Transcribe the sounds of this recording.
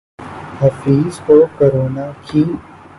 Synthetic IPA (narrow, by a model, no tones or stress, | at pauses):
hɐfiːzoɾkoɾoːnaki